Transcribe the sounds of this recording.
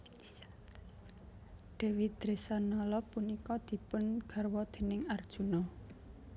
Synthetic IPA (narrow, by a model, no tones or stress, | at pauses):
ɖ̪̥e̤wid̪̥ɾesanɔlɔpunikɔd̪̥i̤pʊnɡ̥a̤rwɔd̪̥e̤nɪŋard̥ʒ̥ṳnɔ